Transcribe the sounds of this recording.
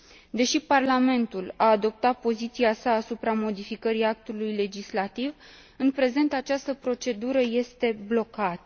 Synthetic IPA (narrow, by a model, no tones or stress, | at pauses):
d̪e̞ʃiparlame̞nt̪ulaːd̪o̞p̚t̪at̪̚po̞zit̪siasaːsupɾamo̞d̪ifikəɾiak̚t̪ulujle̞d͡ʒislat̪iv | ɨnpɾe̞ze̞nt̪at͡ʃast̪əpɾo̞t͡ʃe̞d̪uɾəje̞st̪e̞blo̞kat̪